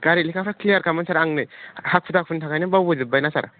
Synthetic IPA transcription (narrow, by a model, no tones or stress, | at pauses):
ɡ̥aɾilikʰapʰaklijaɾkamansaɾaŋnɯhak̚pʰutak̚pʰuntʰakajnibabud͡ʒɯbajnasa̰ɾa